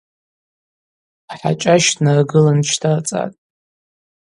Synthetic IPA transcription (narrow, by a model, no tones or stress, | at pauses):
aħa̰t͡ʃʼaʃtʰnarɡɨlant͡ʃʰtʰart͡sʼa̰tʼ